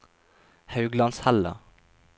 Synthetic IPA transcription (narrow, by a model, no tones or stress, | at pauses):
hɑʉɡlɑnshælə̰